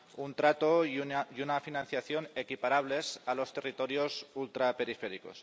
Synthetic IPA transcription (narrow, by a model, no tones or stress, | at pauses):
unt̪ɾat̪ojunafinãn̟θjaθjo̞ne̞kipaɾaβ̞le̞salo̞st̪e̞rit̪o̞ɾjo̞sult̪ɾape̞ɾifeɾiko̞̰s